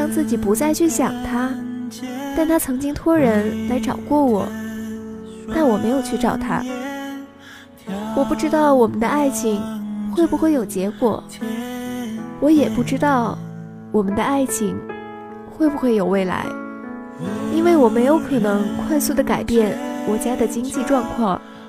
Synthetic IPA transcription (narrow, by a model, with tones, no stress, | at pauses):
ɑ˥ŋt͡sɹ̩˥˩t͡ɕi˨˩pu˧˥t͡sa˥˧ɪt͡ɕʰy˥˩ɕjɑ˨˩ŋt̪ʰa˥ | t̪a˥˩nt̪ʰa˥t͡sʰɤ˧˥ŋt͡ɕi˥ŋt̪ʰwɔ˥ɻə˧˥nla˧˥ɪʈ͡ʂɑ˨˩ʊkwɔ˥˩wɔ̰˨˩˦ | na˥˩wɔ˨˩me˧˥ɪjo˨˩ʊt͡ɕʰy˥˧ʈ͡ʂɑ˨˩ʊt̪ʰa̰˥ | wɔ˨˩pu˥˩ʈ͡ʂɻ̩˥t̪ɑ˥˩ʊwɔ˨˩mə˦nd̪ə˧a˥˩ɪt͡ɕʰi˧˥ŋxwe˥˩ɪbu˨˩xwe˥˩ɪjo˨˩ʊt͡ɕjɛ˧˥kwɔ̰˨˩˦ | wɔ˧˥jɛ˨˩pu˥˩ʈ͡ʂɻ̩˥t̪ɑ˥˩ʊ | wɔ˨˩mə˦nd̪ə˧a˥˩ɪt͡ɕʰi˧˥ŋ | xwe˥˩ɪbu˩xwe˥˩ɪjo˨˩ʊwe˥˩ɪla̰˧˥ɪ | i˥nwe˥˩ɪwɔ˨˩me˧˥ɪjo˧˥ʊkʰɤ˨˩nɤ˧˥ŋkʰwa˥˧ɪsu˥˩d̪ə˩ka˨˩ɪpjɛ˥˩nwɔ˨˩t͡ɕja˥d̪ə˨t͡ɕi˥ŋt͡ɕi˥˧ʈ͡ʂwɑ˥˧ŋkʰwɑ˥˩ŋ